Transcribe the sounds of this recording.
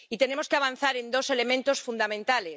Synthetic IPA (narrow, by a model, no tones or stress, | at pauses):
it̪e̞nemo̞skeaβ̞an̟θaɾe̞nd̪o̞se̞le̞mẽnt̪o̞sfund̪amẽnt̪ale